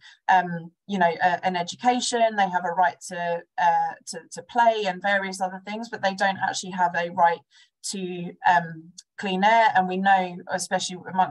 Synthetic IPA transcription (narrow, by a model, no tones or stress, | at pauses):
ʔʌ̃m | jənəʊʔəʔə̃nɛd͡ʒəkʰeɪʃə̃nðeɪəvəɹaɪtʰəʌtʰətʰəpʰl̥eɪə̃nvɛːɹiəs̬ʌðəθɪ̃ŋzbʌʔðeɪdə̃ʊ̃nta̰k̚t͡ʃʉəliəvəɹaɪtʰ | əʔʌ̃mkʰl̥ĩːnəə̃nwinəʊɪspɛʃəl̩iðəmʌ̃n